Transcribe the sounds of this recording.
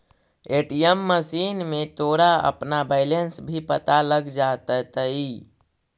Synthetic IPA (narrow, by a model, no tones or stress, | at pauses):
eʈijəmːəsiːnmet̪oɾaə̰pnabaɪlensbʱipət̪aləɡd͡ʒat̪ət̪əi